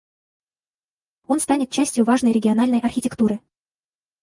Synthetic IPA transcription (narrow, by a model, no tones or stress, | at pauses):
o̞nst̪anʲɪt̪t͡ɕæsʲtʲjʊvaʐnəjɾʲɪɡʲɪɐnalʲnəjʔɐrxʲɪtʲɪkt̪uɾɨ